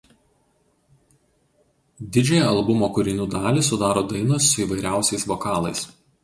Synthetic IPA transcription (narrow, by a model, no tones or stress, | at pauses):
d̪ʲɪd͡ʒʲɛjɛɐlˠbʊmoːkʊɾʲɪnʲuːd̪ɑːlʲiˑsʊd̪ɑːɾoːd̪ɐɪnosʊiːˑʋɐɪɾʲæˑʊsʲɛɪsʋɔkɑːlˠɐɪs